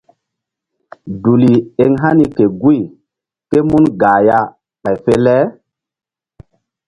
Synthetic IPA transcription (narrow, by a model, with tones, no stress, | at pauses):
du˨li˨e˨ŋɦa˦ni˦ke˨ɡu˦i˨ | ke˦mu˦nɡaː˨ja˦ | ɓa˨jfe˦lɛ˦